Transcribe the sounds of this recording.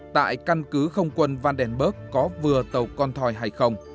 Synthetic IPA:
t̪a̰ː˧˨jka˧nkɨ˨˦xə˧wŋ͡mkwə˧nva˧nɗɛ˧˩nɓəː˦˥k̚ːɔ˨˦vɨ˨˩ət̪ə˨˩wkɔ˧nt̪ʰɔ˨˩jɦa˧jxə˧wŋ͡m

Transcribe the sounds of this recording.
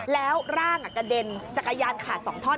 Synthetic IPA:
lɛː˦˥wɾaː˥˩ŋʔa˨˩kːa˧de˧nt͡ɕa˨˩kːa˧jaː˧nkʰaː˨˩sɔ̰ː˩˦ŋt̪ʰɔː˥˩

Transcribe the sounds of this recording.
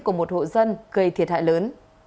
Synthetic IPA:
ku˧˩əmo˨˩t̚ho̰˧˨zə˧nɣə˧˩jt̪ʰi˨˩ət̚ha̰ː˧˨jləː˨˦n

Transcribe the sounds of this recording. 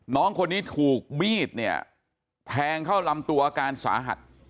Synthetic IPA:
nɔː˦˥ŋkʰo˧nːiː˦˥t̪ʰuː˨˩k̚miː˥˩t̪̚ni˥˩ɐ | pʰɛː˧ŋkʰa˥˩wla˧mt̪u˧ɐʔaː˧kaː˧nsa̰ː˩˦ɦa̰˨˩t̪̚

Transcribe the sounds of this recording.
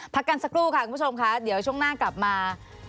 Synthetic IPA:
pʰa˦˥kːa˧nsa˧kɾuː˥˩kʰa˧˥˩ku˧˩˥t͡ɕʰo˧mkʰa˦˥ɗi˩˦əwt͡ɕʰu˥˩əŋnaː˥˩kla˨˩p̚maː˧

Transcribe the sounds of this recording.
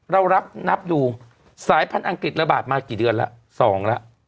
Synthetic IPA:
ɾa˧wɾa˦˥p̚na˦˥p̚duː˧ | saː˨˩˦jpʰa˧nʔa˧ŋkɾi˨˩t̪̚ɾa˧ba̰ː˨˩t̪̚maː˧kiː˨˩dɯ˧ənla̰˦˥ʔ | sɔː˩˦ŋla˦˥ʔ

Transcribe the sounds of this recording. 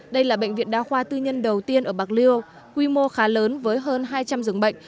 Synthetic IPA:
ɗə˧jlaː˨˩ɓə̰˧˨ŋ̟vḭ˧˨nɗa̰ː˧xwaː˧t̪ɨ˧ɲə˧nɗə˨˩wt̪i˧ənʔəː˧˩ɓaː˨˩k̚li˧əw | kwi˧mo˧xaː˨˦ləː˨˦nvəː˨˦jɦəː˧nɦaː˧jt͡ɕa˧mzɨ˨˩əŋɓə̰˧˨jŋ̟

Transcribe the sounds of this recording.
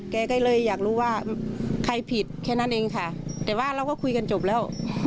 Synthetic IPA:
kɛː˧˩ka˧˩jlɤː˧˥˨jːaː˨˩k̚ɾuː˧˥˩waː˧˩kʰa˧˩jpʰi˨˩t̪̚kʰɛː˧˩na˧˥˨nʔeː˧ŋkʰa˧˩t̪ɛː˨˩waː˧˩˨ɾa˧˩wkɔ˧˥˩kʰu˧jka˧nt͡ɕo˨˩p̚lɛː˧˥˩w

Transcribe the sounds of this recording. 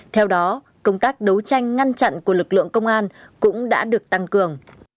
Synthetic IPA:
t̪ʰɛ˧wɗɔ˨˦ | kə˧wŋ͡mt̪aː˦˥k̚ɗə˨˦wt͡ɕa˧jŋ̟ŋa˧nt͡ɕa̰˧˨nku˧˩əlɨ˨˩k̚lɨ̰˧˨əŋkə˧wŋ͡mʔaː˧nkʊ̰˧˥ŋ͡mɗa̰ː˧˥ɗɨ˨˩ək̚t̪a˧ŋkɨ˨˩əŋ

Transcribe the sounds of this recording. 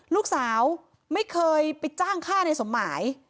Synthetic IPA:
luː˥˩k̚saː˩˦w | ma˥˩jkʰɤː˧jpa˨˧j̪̚t͡ɕaː˥˩ŋkʰaː˥˩na˧jso˩˦mːaː˩˦j

